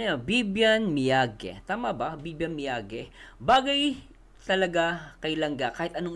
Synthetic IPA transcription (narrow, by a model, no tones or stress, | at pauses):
jobibjɐnmɪjaːɡɛ̰t̪aːmɐbɐbiːbjɐnmɪjaːɡɛbaːɡɐj | t̪ɐlɐɡakɐjlɐŋɡakaːhɪt̪̚ʔɐnoŋ